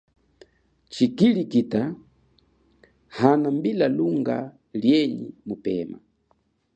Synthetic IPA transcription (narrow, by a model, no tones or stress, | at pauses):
t͡ʃikilikita | hanambilaluŋɡa̰ | ljɛɲḭmupɛ̰ma̰